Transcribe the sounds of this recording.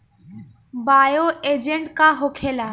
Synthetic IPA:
baːjoʔed͡ʒeɳʈkaɦokʰelaː

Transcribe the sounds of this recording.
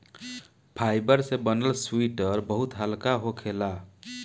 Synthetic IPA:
pʰajbəɾsẽbənəlswiʈəɾbəɦut̪ɦəlkaɦokʰela

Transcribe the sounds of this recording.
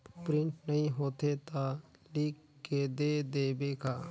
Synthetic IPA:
pɾɪ̃ɳʈnəɦĩɦoːt̪et̪aliːkːed̪eːd̪eːbeːkaː

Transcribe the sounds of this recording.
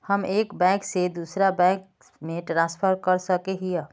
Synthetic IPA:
həmekbɛ̃ksed̪usɾabɛ̃k | meʈɾãspʰəɾkəɾsəkeɦijə

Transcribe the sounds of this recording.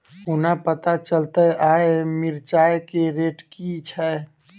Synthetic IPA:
ʊnapət̪at͡ʃəlt̪əaːemɪɾt͡ʃaːekeɾeːʈkit͡ʃʰɛ

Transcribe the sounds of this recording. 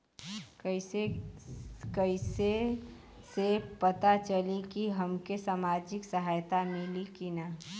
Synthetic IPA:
ɪe | kəɪse | sepət̪at͡ʃəlikiɦəmkesaːmad͡ʒɪksəɦajt̪amilikina

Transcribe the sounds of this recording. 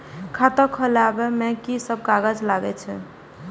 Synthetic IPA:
kʰat̪əkʰːəlabemekisəb̚kaɡəd͡ʒlaɡɛt͡ʃʰɛ̰

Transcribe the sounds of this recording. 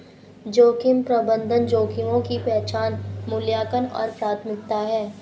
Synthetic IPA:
d͡ʒoːkɪmpɾɐbə̃nd̪ʱənd͡ʒoːkɪmõkipɛɦt͡ʃaːnmʊljaːkənɔ̰ːɾpɾaːt̪ʰmɪk̚t̪aɦɛː

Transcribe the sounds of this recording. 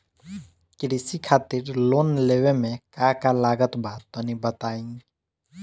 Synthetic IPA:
kɪɾisikʰaːt̪ɪɾloːnleːwemẽkakalaːɡət̪bat̪onibət̪aːĩ

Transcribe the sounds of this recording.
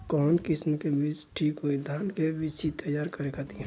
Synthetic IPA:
kɔːnkɪsməkebiːt͡ʃʈʰiːkɦoid̪ʱaːnkebit͡ʃit̪əjaːɾkəɾekat̪iɦɛ

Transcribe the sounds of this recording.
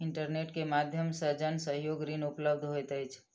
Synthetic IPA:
ɪɳʈəɾneʈkemad̪ʱjəmsəɦd͡ʒənsəɦjoɡɾinupləb̚d̪ʱɦojt̪əjt͡ʃʰ

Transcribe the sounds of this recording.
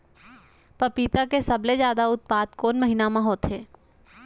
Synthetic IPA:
pɐpiːt̪akesɐblezjaːd̪aʊt̪̚paːd̪koːnmɐɦinamãɦoːt̪ɦeː

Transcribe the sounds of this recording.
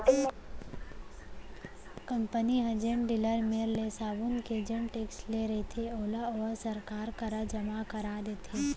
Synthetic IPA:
kə̃mpəniɦə̃d͡ʒẽɳɖɪləɾmeːɾlesaːbʊnked͡ʒəɳʈeːksʈleɾɐɦit̪ʰeoːlaɔːɾsɐɾkaːɾkəɾəd͡ʒɐmakɐɾaːd̪eːt̪ʰeː

